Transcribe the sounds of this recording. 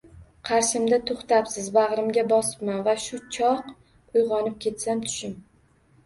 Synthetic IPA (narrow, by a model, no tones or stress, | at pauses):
qʰɑɾʃɪmd̪at̪ʰoχt̪apsɪzbɑʁɾɪmɡʲabɒsɪ̥pmanvaʃʊt͡ʃʰɒq | ʊjʁɒnɪp̚kʲʰe̞t̪samt̪ʰʊ̥ʃɪm